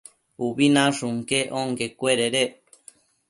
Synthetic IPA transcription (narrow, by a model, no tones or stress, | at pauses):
uβinãʂuŋkeʔoŋkekweɾeɾe